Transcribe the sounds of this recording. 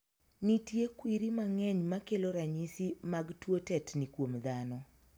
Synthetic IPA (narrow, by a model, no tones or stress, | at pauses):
nitjekwiɾimaŋɛɲmakeloɾaɲisimaɡtwotɛtnikwomd̪anɔ